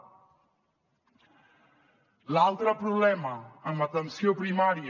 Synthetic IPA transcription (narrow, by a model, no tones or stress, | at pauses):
lalˠt̪ɾəpɾuβlɛməəmət̪ənsiopɾimaɾiə